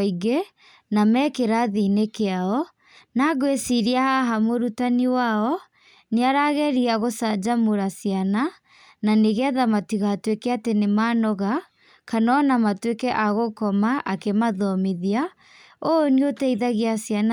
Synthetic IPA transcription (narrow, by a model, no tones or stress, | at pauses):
iɣe | namɛkeɾaðinekeaɔ | naɣwesiɾiahaɦamoɾutaniwaɔ | neaɾaɣɛɾiaɣosad͡ʒamoɾasiana | naneɣɛðamatiɣaːtwekɛatenemaːnɔɣa | kanɔnamatwekɛʔaɣokɔmaʔakemaðɔmiðia | ooniotɛiðaɣeasjana